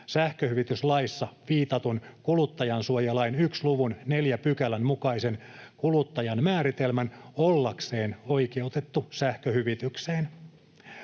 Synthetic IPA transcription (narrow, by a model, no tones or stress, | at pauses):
sæhkøhyʋit̪yslɑisːɑʋiːt̪ɑt̪unkulut̪ːɑjɑnsuojɑlɑinyksluʋunne̞ljæpykælænmukɑise̞nkulut̪ːɑjɑnmæːɾit̪elmænolːɑkse̞ːno̞ike̞ut̪et̪ːusæhkøhyʋit̪ykseːn